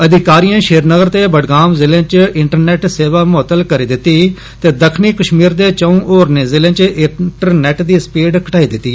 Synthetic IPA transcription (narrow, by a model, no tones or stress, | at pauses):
əd̪ɪkaːɾijãːʃeːɾnəɡəɾt̪eːbəɖɡaːmzɪlãːt͡ʃɪɳʈəɾnɛːʈseːʋaːmoːt̪ːəlkəɾiːd̪ɪt̪ːiː | t̪eːd̪əkʰniːkəʃmiːɾd̪eːt͡ʃəũːʔoːɾneːzɪlãːt͡ʃʔɪʈəɾnɛːʈd̪iːspiːɖkəʈaːiːd̪ɪt̪ːiː